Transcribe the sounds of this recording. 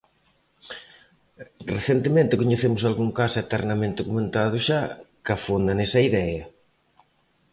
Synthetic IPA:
reθent̪emẽnt̪ɪkoɲeθemʊsalɣuŋkasɛt̪ɛrnɐmẽnt̪okumẽnt̪aðʊʃakɐfond̪ɐnesɐiðɛɐ

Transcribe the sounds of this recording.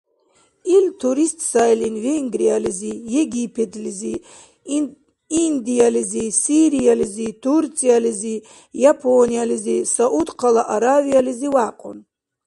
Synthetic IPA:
ilt̪ʰuɾist̪ʰʼsajlinveŋɡɾijalizijeɡipʰet̪ʰlizi | ind̪ijalizisiɾijalizit̪ʰurt͡sʼijalizi | japʰonijalizisaʔud̪qʰalaʔaɾavijaliziwaqʼo̰n

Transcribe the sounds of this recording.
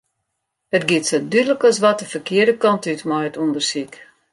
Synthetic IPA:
ətɡɪtsədydələkɔs̬ʋɔtəfərkɪədəkɔntytmɔjətundərsik

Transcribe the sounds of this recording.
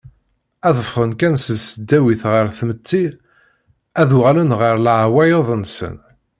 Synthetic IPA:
æðˤəfʁənkænsəsəd̪ːæwiθʁəɾθmət̪ːi | æðuʁalənʁəɾlʕwæjeðˤənsə̰n

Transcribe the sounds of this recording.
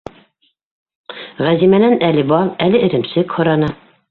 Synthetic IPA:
ʁæzimænænælɘbɑlˠælɘɘ̆ɾɘ̆msɘkhŏɾɑnɑ

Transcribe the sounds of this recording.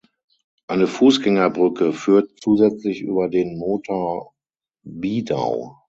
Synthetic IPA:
ʔaɪnəfuːsɡ̥ɛŋɐbʁʏkəfyːɐtt͡suːzɛt͡slɪçʔy̰ːbɐdeːnmoːtʰoɐ | biːda̰ʊ

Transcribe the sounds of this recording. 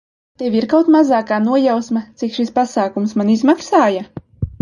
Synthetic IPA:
t̪evʲiɾkawt̪mazaːkaːnuɔjawsmat̪sikʃispasaːkumsmanizmaksaːja

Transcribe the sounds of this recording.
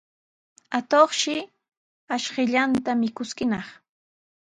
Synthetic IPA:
at̪oχʃɪ | aʃɢɪʎant̪amɪkʊskɪnɑχ

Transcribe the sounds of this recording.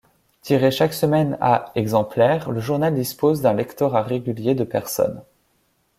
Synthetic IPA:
t̪ʰiʁeʃaksəmɛna̰ɛɡzɑ̃plɛʁləʒuʁnald̪ispozd̪ɛ̃lɛkt̪ɔʁaʁeɡʲyljed̪əpɛʁsɔ̰n

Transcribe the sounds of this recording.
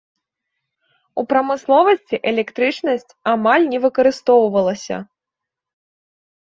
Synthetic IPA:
upɾɐmɨslˠɔvɐsʲt͡sʲiʔɛlʲɛkt̪ɾɨt͡ʂnɐsʲt͡sʲamalʲnʲɛvɨkɐɾɨst̪ɔwvɐlˠɐsʲɐ̰

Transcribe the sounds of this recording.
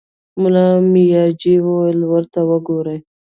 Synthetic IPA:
mʊlɑmijɑd͡ʒiwowəlwəɾt̪awəɡoɾəj

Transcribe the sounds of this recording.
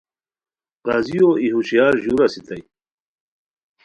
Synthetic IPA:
qaːzijoiɦuɕijaːɾʑuɾasit̪aj

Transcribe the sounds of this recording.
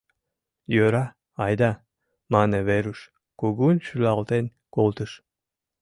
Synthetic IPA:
jøɾɑ | ɑjd̪ɑ | mɑneβeɾuʃ | koɣunʃylɑlt̪en | kolt̪əʃ

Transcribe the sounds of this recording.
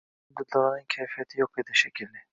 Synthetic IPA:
d̪ud̪lˠalˠanɯncʰejfijat̪ʰijokved̪iʃecʰilʲd̪ɛ

